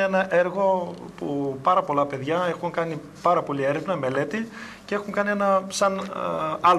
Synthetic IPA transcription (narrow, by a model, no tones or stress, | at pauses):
enɐʔe̞ɾɣo̞pupɐɾɐpo̞lɐpe̞ðʝɐe̞xuŋkɐni | pɐɾɐpo̞lie̞ɾe̞vnɐme̞le̞t̪i | cee̞xuŋkɐnie̞nɐsɐn | ɐl